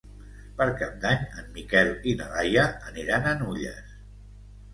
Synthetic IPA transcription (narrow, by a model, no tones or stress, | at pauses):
pəɾkab̚d̪aɲəmːikɛlinalajəːniɾanənuʎə̰s